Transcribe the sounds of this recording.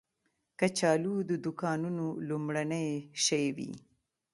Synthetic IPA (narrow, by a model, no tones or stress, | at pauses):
kat͡ʃɑːlud̪əd̪ʊkɑnunolumɽanəjʃajwḭ